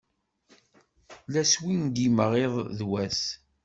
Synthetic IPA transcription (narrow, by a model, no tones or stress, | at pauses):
læswind̪iməʁeðˤðwæs